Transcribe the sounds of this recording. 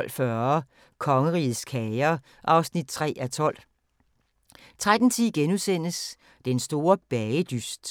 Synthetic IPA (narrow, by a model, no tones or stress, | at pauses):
l̰fɶɐ | kʰɒ̽ŋəʁḭːð̩ˠskʰɛɪɐ | ʔɑ̈ʊsnid̥̚t͡sʰʁɛ̰ːæt͡sʰɒ̽l̰ | t͡sʰʁad̥n̩t͡sʰiðˠɡ̥enusen̰əs | d̥ensd̥o̝ːɐb̥ɛɪəd̥ysd̥